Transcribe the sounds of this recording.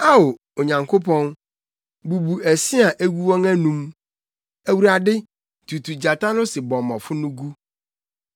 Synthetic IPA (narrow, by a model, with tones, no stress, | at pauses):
a˦o˨ | o˨ɲã˨ŋkʰo˦pʰɔ̃˦n | bu˨bu˨æ˨si˦a˨ʔæ˦ɡu˦wɔ̃˦ŋæ˦nũ˦m | æ˨wu˨ɾa˨dɪ˦ | tʰu˨tʰu˨d͡ʑa˨ta˦nʊ̃˦sɪ˨bɔ̃˨mɔ̃˨fʊ˦nʊ̃˦ɡu˦